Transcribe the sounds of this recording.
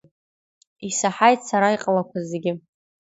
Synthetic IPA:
isaħajtʰsaɾaiqʼlakʷazeɡʲɪ

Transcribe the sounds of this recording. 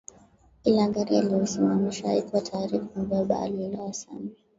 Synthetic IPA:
ilaŋɡaɾia̰liɔsimamiʃaikwatʰaːɾifaaɓaɓa̰ːliɔlawasa̰mi

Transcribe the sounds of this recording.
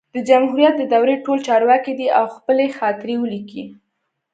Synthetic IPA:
d̪̥əd͡ʒamɦuɾijat̪̚d̪əd̪awɾeʈolt͡ʃɑɾwɑkid̪iawxpəlexɑt̪ɪɾewəliki

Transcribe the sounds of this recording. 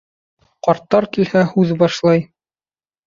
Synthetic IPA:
qɑɾt̪ːɑɾkilhæhʉðbɑʃlˠɑj

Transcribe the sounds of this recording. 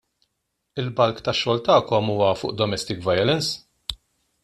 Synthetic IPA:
ɪlbɐlkt̪ɐʃːɔːlt̪ɐːkɔmuːwɐfʊ̰ːʔd̪ɔmɛst̪ɪkvɐjɔlɛns

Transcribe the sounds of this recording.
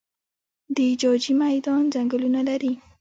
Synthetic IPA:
d̪əid͡ʒɑd͡ʒimajd̪ɑnzaŋɡəlunalaɾi

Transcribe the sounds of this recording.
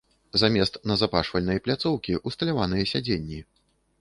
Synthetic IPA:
zamʲɛst̪nɐzapaʂfɐlʲnɐjplʲat̪sɔwkʲiʔust̪ɐlʲavanɨjɐsʲad͡zʲenʲːi

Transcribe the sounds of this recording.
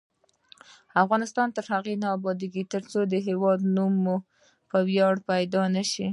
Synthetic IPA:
afɣɑnɪst̪ɑnt̪əɾhaɣenɑbɑd̪iɡit̪əɾt͡sod̪əɦewɑd̪numo | pəwjɑɽpajd̪ɑnaʃi

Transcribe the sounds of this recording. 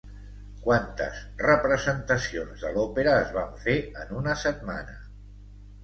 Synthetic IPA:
kwant̪ə̰zrəpɾəzənt̪əsionzðəlɔpeɾəːzβaɱfeənunəsət̪̚ma̰nə̰

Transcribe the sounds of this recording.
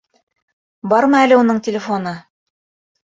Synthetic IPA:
bɑɾmɤælɘunɤɴtʲɪlʲɪfonɤ

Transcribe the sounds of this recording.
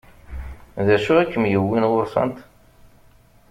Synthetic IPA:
ðæʃuækːəmjəwːinwʊɾsˤɑ̰nt̪

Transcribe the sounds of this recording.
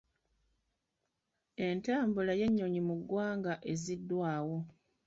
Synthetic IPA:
e̞ntaːmbulaje̞ɲːo̞ɲimuɡːwaːŋɡaʔe̞zidːwaːwo̞

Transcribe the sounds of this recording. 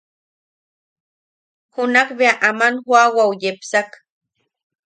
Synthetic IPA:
hʊnakbeaʔamanxwawawjepsak

